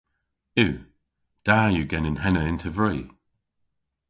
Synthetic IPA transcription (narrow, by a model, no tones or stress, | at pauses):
ʉː | d̥aːjuɡɛnɪ̃nɦɛnəɪ̃ntʰəvɹiː